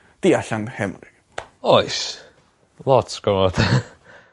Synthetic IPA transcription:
d̥iaɬanhɛmri | ɔjs | lˠɔtsɡ̥ɔmɔd̥

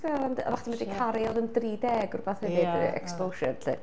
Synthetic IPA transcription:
ɛlandə̰vaχd̥imədikʰaɾiɔðəndridɛɡʊrbaθhɛvɨdɛ̰ksplowʃɔ̰nɬḛ

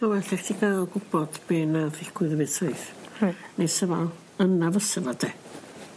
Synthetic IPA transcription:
awɛɬɛrtʰiɡʰalˠɡʊb̥ɔd̥b̥eːnafɪkʰwɨðəbɨsɔjθnesəvalˠ | ənavəsəvadɛ

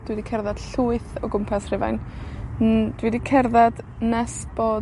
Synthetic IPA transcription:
d̥widikʰɛrðad̥ɬuːɨθɔɡʊmpʰasrɪva̰ŋ | d̥widikʰɛrðad | nɛsb̥oː

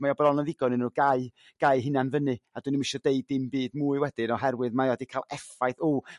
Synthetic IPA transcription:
majɔbɾɔlˠnɛðɪɡɔnənuɡaɨ | ɡ̥aɨɦɨnanvənɨadwinimɪʃɔdeɨdɪmbiːdmuːɨwɛdɨnɔɦɛrwɨðmaɔdikʰalˠɛfajθu

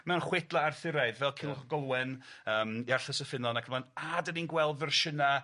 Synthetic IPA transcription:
mɛwnχwɪdlˠaarθɪɾajðvɛlˠkʰɪlˠχɔɡɔlˠwɛnəːmiarɬəsəfɪnɔnakʰəmanadəninɡwɛlˠdvɛrʃəna

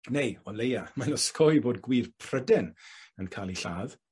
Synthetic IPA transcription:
nejɔlejamanɔskʰɔjboːdɡwiːrpʰrədɪnənkʰaːlˠiɬaːð̥

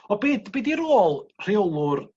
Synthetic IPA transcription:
ɔbiːdbiːdiɾoːlˠr̥ɪwlˠʊr

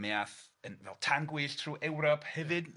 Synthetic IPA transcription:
meaθənvɛ̰lˠtʰanɡwiːɬtʰr̥uːʔɛwɾɔpʰhɛvɨd

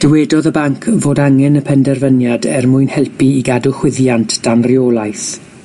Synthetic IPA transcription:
d̥əwɛdɔðəbaŋkʰvoːdaŋɛnəpʰɛndɛrvənjadɛrmʊɨnhɛlˠpiiɡadʊχw̥ɪðjantʰd̥anriolˠajθ

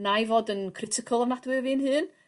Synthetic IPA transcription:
najvoːdənkʰrɪtʰɪkʰəlˠəmnadwɪviːnɦɨːn

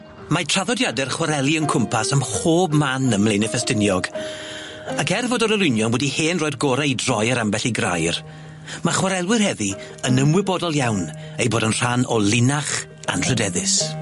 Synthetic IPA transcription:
matʰr̥aðɔdjadɛrχwaɾɛlˠiənkʰʊmpʰasəmχoːbmanəmlejnɪfɛstɪnjɔɡ | akʰɛrvoːdɔɾəlˠʊjnjɔnwɛdiheːnroːjrɡɔɾaijdrɔjəɾambɛɬiɡrajr | maχwaɾɛlˠwɪrhɛði | ənəmwɪbɔdɔlˠjawn | ejboːdənr̥anɔlˠɪnaχ | a̰ndr̥ədɛðɪs

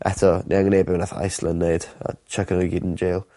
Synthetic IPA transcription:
ʔɛ̰tʰɔnʔiaŋənebɪwnaθa̰jsləned̥a̰t͡ʃʰɛkʰənɔiɡidn̩d͡ʒejlˠ

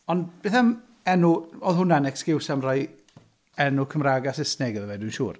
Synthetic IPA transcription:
ɔndb̥eθam | ɛnʊɔðhʊnanɛkskɪwsamraj | ɛnʊkʰəmraɡasɪsnɛɡəðəveːdwɨnʃṵːr

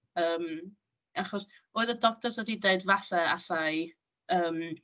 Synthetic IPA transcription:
əːm | aχɔs | oːɨðədɔk̚tʰɔsədideɨdvaɬɛaɬaɨ | əːm

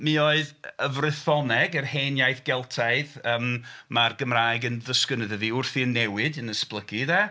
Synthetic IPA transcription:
mioɨðəvrɨθɔnɛɡərheːnjajθɡ̥ɛlˠtʰaɨðəːmmarɡəmraːjɡənðəskənɨðəðviʊrθiənːɛwɪdɨnəsplˠəɡ̥ida

